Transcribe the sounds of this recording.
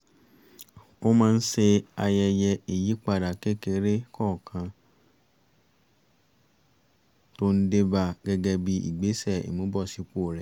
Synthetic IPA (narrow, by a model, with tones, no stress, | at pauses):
o˦mãː˦˧n̩˦se˧a˧jɛ˧jɛ˧i˨ji˨˦k͡pa˧˨da˨ke˦ke˧ɾe˦kɔ˦˨kʰã˧ | to˦n̩˦de˦ba˧˨ɡɛ˦ɡɛ˧bi˧˦ḭ˨ɡ͡be˨˦sɛ˦˨ḭ˨mũ˨˦bɔ˦˨si˨˧ko˦˨ɾɛ˨